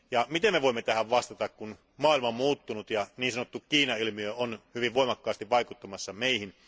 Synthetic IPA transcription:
jɑmit̪emmeʋoimːet̪æhæʋʋɑst̪ɑt̪ɑkkun | mɑːˑilmɑomuːt̪ːunut̪jɑniːnsɑnot̪ːukkiːnɑilmiøonhyʋiʋʋoimɑkːɑːst̪iʋʋɑikut̪ːɑmɑsːɑmeihin

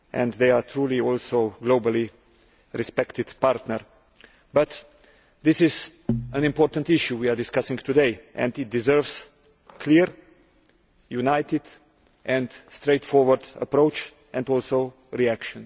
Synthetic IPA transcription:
ʔɛ̰̃nd̪ðeɪat̪ʰɾuːliɔlsoʊɡloʊbəli | ɾɪspɛkt̪ɪd̥paɾtnəɾ | bʌt̪ | ðɪsɪzə̃nɪ̃mpɔːɾt̪ə̃ntɪʃjuwiadɪskasɪ̃ŋt̪udeɪʔɛ̰̃ndɪt̚d̪ɪzɜ˞vs | kʰliɾ | junaɪt̪ɪd̪ | ʔɛ̃ndstɾeɪtfɔɹwəɾd̪ə̰pɾoʊt͡ʃ | ʔɛ̃ndɔlˠsoʊ | ɾiækʃɔ̃n

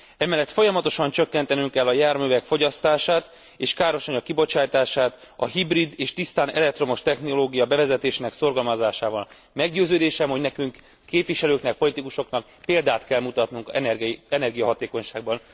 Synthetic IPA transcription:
ɛmɛlːɛt̪fo̞jɒmɒt̪o̞ʃɒnt͡ʃøkːɛnt̪ɛnyŋkɛlːɒjaːrmyːvɛkfo̞ɟɒst̪aːʃaːt̪ | eːʃkaːɾo̞ʃɒɲɒkːibo̞t͡ʃaːjt̪aːʃaːt̪ɒ̰ɦibrid̪eːʃt̪ist̪aːnɛ̰lɛkt̪ro̞moʃt̪ɛxno̞loːɡijɒbɛvɛzɛt̪eːʃenɛkso̞rɡɒlmɒzaːʃaːvɒl | mɛɡɟøːzøːd̪eːʃɛmho̞ɟnɛkyŋkː | eːpʋiʃɛløːknɛk̚po̞lit̪ikuʃo̞knɒk̚ | peːld̪aːt̪kɛlmut̪ɒt̪nuŋkɛɛɛnɛrɡijɒɦɒt̪eːko̞ɲʃaːɡ̚bɒn

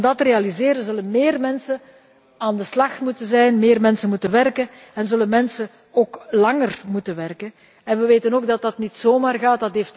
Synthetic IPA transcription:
dɑtrejɑlizeːɾəzɵlənmeːrmɛnsən | aːndəslɑxtmutənzɛjnmeːrmɛnsənmutənʋɛrkən | ɛnzɵlənmɛnsən | oːklɑŋərmutənʋɛrkən | ɛnʋəʋeːtənoːɡ̚dɑt̚dɑtnitsoːmaːrɣaːt̚dɑtɦeːft

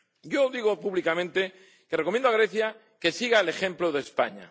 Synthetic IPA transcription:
ɟ͡ʝoðiɣ̞opuβlikamẽnt̪e̞ | kerekomjend̪aɣɾe̞θja | ke̞siɣaele̞xẽ̞mploðespa̰ɲa̰

